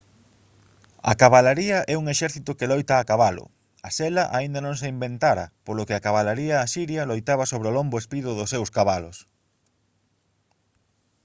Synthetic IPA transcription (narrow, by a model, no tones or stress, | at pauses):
ɐ̰kaβalaɾiɐʔɛuŋeʃɛɾθit̪ʊkelojt̪ɐːkaβalʊ̰ | ɐsɛlɐʔaind̪ɐnõŋseimbent̪aɾɐ̰polʊkeakaβalaɾiɐːsiɾjɐlojt̪aβɐsoβ̞ɾeolombʊespiðʊðʊsewskaβalʊs